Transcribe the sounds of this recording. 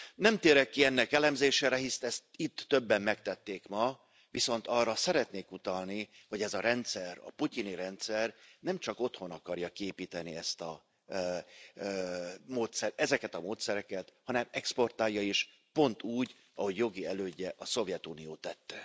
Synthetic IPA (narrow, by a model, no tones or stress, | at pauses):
nɛmt̪eːɾɛkːiɛnːɛkɛlɛmzeːʃeːɾɛɦist̪ɛst̪it̪ːø̞bːɛmːɛkt̪ɛt̪ːeːkmɒ | viso̞nt̪ɒrːɒsɛɾɛt̪neːkut̪ɒlniho̞ɟɛzɒɾɛnt̪sɛrɒ̰puciniɾɛnt̪sɛrnɛmt͡ʃɒko̞t̪ho̞nɒkɒrjɒkieːpiːt̪ɛniɛst̪ɒ | moːt̪sɛɾɛzɛkɛt̪ɒmoːt̪sɛɾɛkɛt̪hɒnɛmɛkspo̞rt̪aːljːɒiʃ | po̞nt̪uːɟ | ɒho̞ɟjo̞ɡiɛløːɟːɛʔɒso̞vjɛt̪unijoːt̪ːɛt̪ːɛ